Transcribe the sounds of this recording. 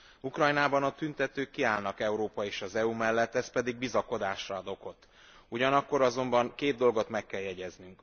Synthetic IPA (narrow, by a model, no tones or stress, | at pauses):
ukrɒjnaːbɒnɒt̪ynt̪ɛt̪øːkːiaːlnɒkɛuɾoːpɒeːʃɒzɛumɛlːɛt̪ːɛspɛd̪iɡ̚bizɒko̞d̪aːʃrɒd̪o̞ko̞t̪ː | uɟɒnɒkːo̞ɾɒzo̞mbɒŋkeːd̪̚d̪o̞lɡo̞t̪mɛkːɛljɛɟɛznyŋk